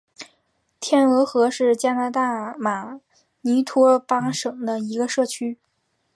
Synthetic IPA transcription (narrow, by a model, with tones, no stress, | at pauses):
t̪ʰjɛ˥˩nɤ˧˥xɤ˧˥ʂɻ̩˥˩t͡ɕja˥na˧˥t̪a˥˩ma˨˩ | ni˧˥t̪ʰwɔ˥pa˥ʂɤ˨˩ŋd̪ə˦i˧˥ɡə˧ʂɤ˥˩t͡ɕʰy˥